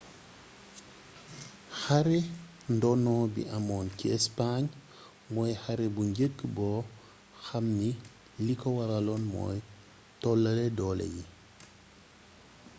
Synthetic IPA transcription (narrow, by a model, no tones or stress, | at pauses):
xaɾe | ndɔnɔːbḭʔamɔːnkiɛspaɲ | mɔːjxaɾebuɲɟəkːbɔː | xamːi | likɔwaɾɐlɔnmɔ̰ːj | tɔlːɐledɔlḛji